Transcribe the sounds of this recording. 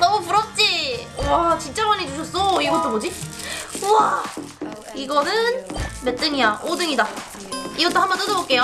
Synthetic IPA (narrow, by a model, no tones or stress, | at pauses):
nʌmupuɾʌp̚t͡ɕ͈iwat͡ɕint͡ɕ͈amanid͡ʑuɕʰʌs͈oiɡʌt͈obod͡ʑi | wa | iɡʌnɯnme̞t͈ɯŋijaʔodɯŋida | iɡʌt͈ohambʌnt͈ɯdobok͈e̞jo